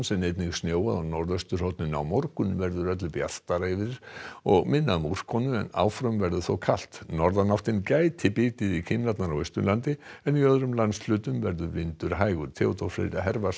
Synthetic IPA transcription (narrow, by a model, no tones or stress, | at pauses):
nsɛmnejt̪nɪɣsnjoːwaðanɔɾðœst̪ʏ̥hɔwt̪nɪna̰wmɔɾkʏnvɛɾðʏɾœt̪lɪpja̰st̪aɾaɪvɪɾɪɾ̥ɔɣmɪnːamur̥kʰɔnʏɛ̰na̰ːwfɾœmvɛɾðʏθowkʰal̥t̪nɔɾðanawht̪ɪncaːjt̪ʰɪpɪːt̪ɪðikʰɪnnat̪naɾawœst̪ʏ̰lant̪ɪɛniœðɾʏmlanslʏːt̪ʏmvɛɾðʏvɪnt̪ʏɾ̥ɦaːjɣʏɾ̥t̪ʰɛːɔt̪ɔɾflḛːɾaɦɛɾva